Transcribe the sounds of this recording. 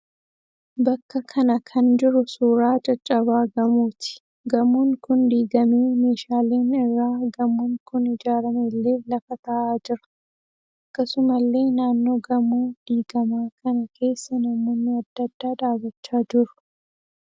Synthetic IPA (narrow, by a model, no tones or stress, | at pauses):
bɐkːɐkʰɐnɐkʰɐnd͡ʒɪɾʊsuːɾaːt͡ʃʼɐt͡ʃʼːɐβaːɡɐmuːt̪ɪ̥ | ɡɐmuŋkʊnd̪iːɡɐmeːme̞ːʃaːleːnɪrːaːɡɐmːuːŋkʊnɪd͡ʒaːɾɐmeːlːe̞ːlɐfɐt̪ɐʔaːd͡ʒɪɾɐ̥ | ʔʔɐkːɐsʊmɐlːe̞ːnaːnːo̞ːɡɐmuːd̪̥iːɡɐmaːkɐnɐkʰe̞ːsːɐnɐmoːnːɪɐd̪ːɐd̪ːaːd̪aːɡɐt͡ʃːaːd͡ʒɪɾʊ̥